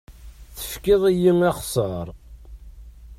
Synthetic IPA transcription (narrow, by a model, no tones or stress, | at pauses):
θə̥fkɪðˤijimæχsəɾˤ